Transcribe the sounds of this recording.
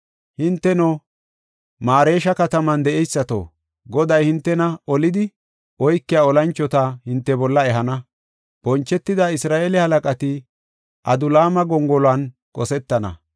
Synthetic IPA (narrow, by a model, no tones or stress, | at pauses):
hɪnt̪ːɛnɔ | maːɾe̞ːʃɐkɐt̪ɐmɐnd̪ɛʔɛjsːɐt̪o̰ː | ɡɔd̪ɐjhɪnt̪ːɛnɐɔlɪd̪ɪ | ɔjkːɪjaːɔlɐnt͡ʃːɔt̪ɐhɪnt̪ːɛbɔlːɐɛɦɐnɐ | b̥ɔnt͡ʃːɛt̪ːɪd̪aɪsɾaːʔeːlɪhɐlɐkʼɐt̪ɪ | ʔɐd̪ʊlaːmɐɡɔŋɡɔlʊan | kʼɔsɛt̪ːɐnɐ̰